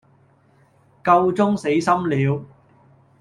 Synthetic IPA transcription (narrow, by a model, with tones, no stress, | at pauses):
kɐ˧wt͡sʊ˥ŋse˨˥jsɐ˥mliː˨˧w